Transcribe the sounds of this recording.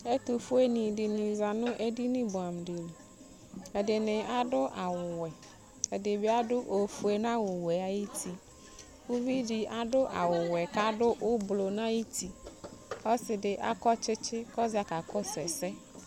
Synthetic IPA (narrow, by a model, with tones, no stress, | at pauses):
e˦t̪ʊ˨fʊ˦e˦nĩ˨dɪ˨nĩ˨za˨nʊ̃˦ʔe˦di˦nɪ̃˦bʊ˨a˨m˨dɪ˨lu˨ | ɛ˨dɪ˨nɪ̃˨a˦dʊ˦ʔa˨wʊ˨wɛ˨ | ɛ˨dɪ˨bɪ˦a˦dʊ˦ʔo˨fu˨e˨nã˦wʊ˨wɛ˨a˨ji˦tʰi˦ | wʊ˦vi˦di˨a˨dʊ˦ʔa˨wʊ˨wɛ˨ka˦dʊ˦ʔʊ˦blo˨nã˦ji˦tʰi˦ | ɔ˦sɪ˨dɪ˨ʔa̰˦kɔ˦t͡ʃɪ˦t͡ʃɪ˦kɔ˦za˨ka˨kɔ˦sɛ˨sɛ˦